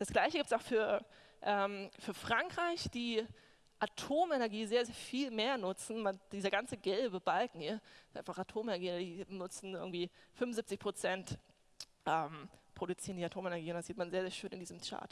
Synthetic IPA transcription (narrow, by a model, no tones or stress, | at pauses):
d̥asɡ̥laɪçəɡiːptsaʊxfyːɐ | ʔɛːmfyːɐfʁ̥aŋkʁ̥aɪçd̥iː | ʔatʰoːmenɛɐɡiːzeːɐzeːɐfiːlmeːɐnʊt͡sn̩mand̥iːzɐɡant͡səɡɛlbəbalkŋ̩hiːɐsʔaɪnfaχatʰoːmɛnɛɐɡiːɐdiːnʊt͡sn̩ɪɐɡŋ̩tv̥iːfʏmvʊnzɪp̚t͡sɪçpʁ̥ot͡sɛnt | ʔɛːmpʁ̥oɾut͡siːʁəndiːatʰoːmɛnɛɐɡiːʊntdaziːtmanzeːɐzeːɐʃøːnɪndiːzəmt͡ʃa̰ːt